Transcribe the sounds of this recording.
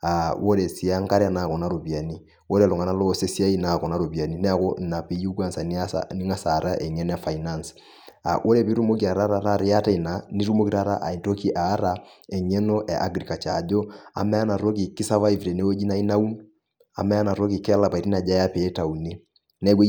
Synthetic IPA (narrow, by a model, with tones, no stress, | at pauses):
a˨wo˦ɾɛ˨si˨a˦ŋ˦ka˦ɾɛ˦a˨na˨kɔ˨na˨˦ɾo˨bi˨a˨ni˦ | wo˦ɾɛ˨lɔ˨ŋa˨na˦lɔ˦˨se˦si˦a˦i˦na˨kɔ˨na˦ɾo˨bi˨a˨ni˦nɛ˦a˦˨kɔ˦na˨pi˦ju˦ɡwa˦nsa˨nḭ˦ni˦ŋa˦sa˨ɾa˦ʔɛ˨ɲɛ˦n˦a˦fa˨ina˦ns | a̰˨wʔo˦ɾɛ˦˨pi˦ɾu˦mo˦ki˨a˨ɾa˦ɾa˦ɾa˦˨ɾɛ˦a˦ta˦i˨na˨ni˦ɾu˦mo˦ki˦ɾa˦ɾa̰˦ʔa˨i˨to˦ki˦ʔaː˨˦ɾa˨ɛ˨ɲɛ˦nɔ˦ʔɛ˨ʔa̰˦ɡɾi˨ka˨t͡ʃa˨d͡ʒɔ˦a̰˨mɛ˦a˦na˨ɾo˦k̬i˨ki˦sa˦va˦i˨vɾɛ˨ne˦wo˦d͡ʒi˦na˨˦i˦na˦u˦n | a̰˨mɛ˦a˦na˨ɾo˦ki˨kɛ˦la˨pa˨i˨ɾi˦na˨d͡ʒa˦ja˦pɛ˨ɛ˦ta˨u˨ne˦ | nɛ˦ɡ